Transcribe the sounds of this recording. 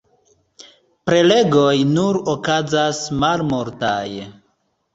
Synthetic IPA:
pɾe̞le̞ɡo̞jnuɾokazasmalmoɾtaj

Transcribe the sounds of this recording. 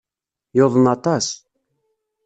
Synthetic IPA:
joðˤənɑt̪ɑs

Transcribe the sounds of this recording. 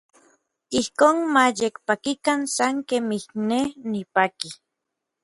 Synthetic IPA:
ihkoːnmajekpakikansaŋkemihnenipaki

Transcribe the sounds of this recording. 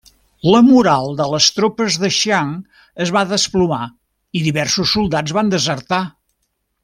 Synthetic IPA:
ləmuɾalˠd̪ələst̪ɾopəzðəʃaŋ | əzβaðəspluma | iðiβɛrsusːulˠd̪ad͡zβand̪əzərt̪a

